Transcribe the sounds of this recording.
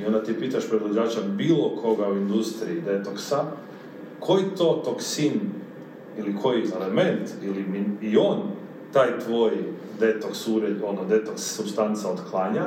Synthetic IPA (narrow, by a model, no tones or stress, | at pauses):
io̞nd̪at̪ipiːt̪aʃpɾed̪od͡ʑaːt͡ʃabiːlokʰo̞ɡauind̪ust̪ɾiid̪e̞t̪oksa | kʰo̞jit̪o̞t̪oksin | ilikʰo̞jielement̪ilimiio̞ːn | t̪aːjt̪ʋo̞ːj | d̪e̞t̪oksuɾed̪onod̪e̞t̪oksːubst̪ant̪saod̪klˠaɲa